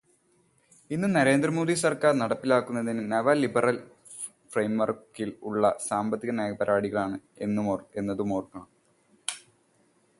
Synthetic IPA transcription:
inːumnɐɾe̞ːnd̪rɐmo̞ːðisɐrkaːrnɐɽɐpːilaːkːunːɐðinɨnɐʋɐlibɐrɐl | frejmʋɐrkːiluɭːɐsaːmbɐt̪ːiɣɐneːɡɐpɐɾaːɽiɣɐɭaːɳɨe̞nːumoːre̞nːɐðumoːrkːɐɳɐm

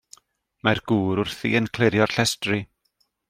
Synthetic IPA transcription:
marɡ̥uːɾʊrθiənkʰlˠɪɾjɔrɬɛstri

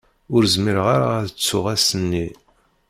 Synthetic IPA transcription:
ʊɾzmiɾʁaɾaθət͡sːʊʁæsənːi

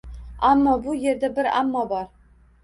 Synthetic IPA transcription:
amːɑbujeɾd̪æbɪɾa̰mːɑbɒɾ

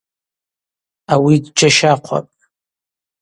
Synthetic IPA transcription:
awidd͡ʒaʃaqʷʰa̰pʼ

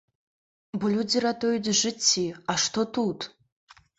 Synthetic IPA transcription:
bulʲud͡ziɾatʰʼojdʐɨt͡sʲʰːiaʂtʰotʰutʰʼ

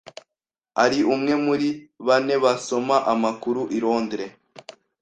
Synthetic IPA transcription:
aɾiʔumŋe̞muɾiβane̞βaso̞maʔamakuɾuʔiɾo̞ːndɾe

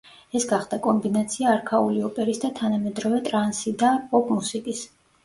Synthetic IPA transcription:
ɛsɡaχd̪akʼɔmbinat̪sʰiaːɾkʰauliɔpʼɛɾisd̪at̪ʰanamɛd̪ɾɔvɛt̪ʼɾansid̪apʼɔpʼmusikʼis

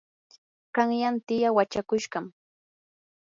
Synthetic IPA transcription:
ɢɑŋjant̪ɪjawat͡ʃakʊʃɢɑm

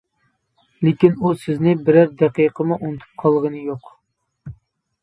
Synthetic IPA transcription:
lekʲinusɪznɪbɪɾæɾd̪æqijqʰəmuʔunɨt̪ʰu̥p̚qʰɑlˠʁənɨjoq

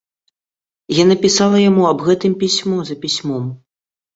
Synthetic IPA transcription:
janɐpʲisalˠɐjamuɐbɣɛt̪ɨmpʲisʲmɔzɐpʲisʲmɔm

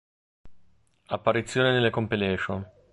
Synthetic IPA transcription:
apːaɾit̪sːjoːninelːekompileʃon

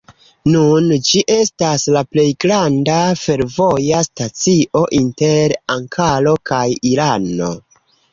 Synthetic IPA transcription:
nund͡ʒiʔe̞staslaple̞jɡɾandafe̞ɾvo̞jastat͡siʔo̞ʔinte̞ɾaŋkʰalo̞kajiɾano̞̰

